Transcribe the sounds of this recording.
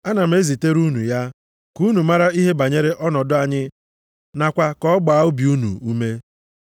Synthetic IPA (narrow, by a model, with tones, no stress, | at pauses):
a˦na˨m̩˨˦e˦zi˨te˦ɾu˦nṵ˨ja˦ | ku˦nu˨ma˦ɾa˦i˦ɦe˦ba˨ɲe˦ɾe˦ʔɔ˦nɔ˨dʊ˦a˨ɲɪ˦ | na˨kʷa˦kɔ˦ɡ͡baː˨˦ʊ˦bi˨u˦nṵ˨u˦me˦